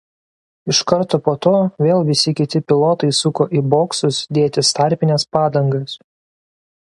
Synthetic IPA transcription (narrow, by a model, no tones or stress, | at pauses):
ɪʃkɐɾt̪oːpoːt̪oːʋʲeːlˠʋʲɪsʲɪkʲɪt̪ʲɪpʲɪlˠoːt̪ɐɪsʊkoːʔiboːksʊsd̪ʲeːt̪ʲɪst̪ɑˑɾʲpʲɪnʲɛspɑːd̪ɐŋɡɐs